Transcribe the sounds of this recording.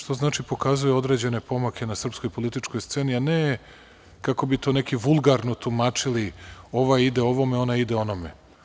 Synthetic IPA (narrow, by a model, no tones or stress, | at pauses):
ʃt̪o̞znaːt͡ʃipo̞kazujeo̞d̪ɾe̞d͡ʑe̞ne̞po̞makʰe̞nasr̩pskojpo̞lit̪it͡ʃko̞jst̪se̞ːniane | kako̞bit̪o̞ːne̞kiʋulˠɡaɾno̞t̪umaːt͡ʂilio̞ʋajid̪e̞o̞ʋo̞me̞o̞naid̪eo̞nomḛ